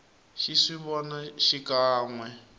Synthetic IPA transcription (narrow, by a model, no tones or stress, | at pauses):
ʃiʂiβɔnaʃikʼaːŋwɛ